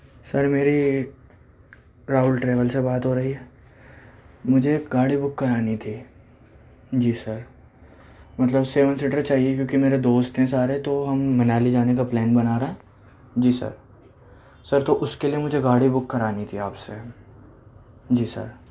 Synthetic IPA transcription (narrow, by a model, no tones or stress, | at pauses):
sɐɾmeːɾi | ɾaːʊlʈɾɛːʋəlsebaːt̪ɦoːɾɐɦiɦɛː | mʊd͡ʒʱeɡaːɽibʊkːɐɾaːnit̪ʰiː | d͡ʒiːsɐɾ | mɐt̪ləbseːʋənslɪʈəɾt͡ʃaːɦiekjõːkimeːɾed̪oːst̪ɦɛ̃saːɾet̪oɦɐmːɐnaːlid͡ʒaːnek̬aplɛːnbɐnaːɾɐɦɛ̃ː | d͡ʒiːsɐ̰ɾ | sɐɾt̪oʔʊskeliemʊd͡ʒʱeɡaːɽibʊkːɐɾaːnit̪ʰiaːpse | d͡ʒiːsɐ̰ɾ